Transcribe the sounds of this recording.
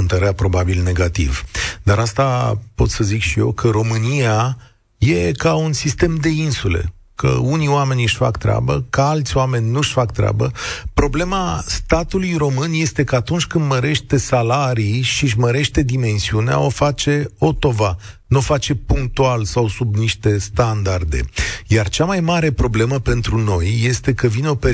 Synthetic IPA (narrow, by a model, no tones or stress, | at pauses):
ɨnt̪əɾeapɾo̞babilne̞ɡat̪ḭvd̪aɾast̪apo̞t̪səzikʃije̞̰wkʰəɾo̞mɨnia | je̞kaunsist̪e̞md̪e̞insule̞̰ | kʰə̰unioame̞nʲjɨʃfa̰kt̪ɾea̰bəkəalt̪sʲoame̞nʲnuʃfakt̪ɾea̰bəpɾo̞ble̞mast̪at̪ulujɾo̞mɨnje̞st̪e̞kəat̪unt͡ʃʲkɨnd̪məɾe̞ʃt̪e̞salaɾijʃiʒməɾe̞ʃt̪e̞d̪ime̞nsiunea̰o̞fat͡ʃe̞o̞t̪o̞vanuofat͡ʃe̞puŋk̚t̪ualsawsubniʃt̪e̞st̪and̪ard̪e̞̰jart͡ʃamajmaɾe̞pɾo̞ble̞məpe̞nt̪ɾuno̞jːe̞st̪e̞kəvineo̞pe